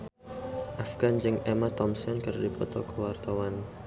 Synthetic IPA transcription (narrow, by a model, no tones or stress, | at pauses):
ʔafɡ̥and͡ʒɨŋɛmat̪ɔmsɔnkərdipɔt̪ɔkəwart̪awan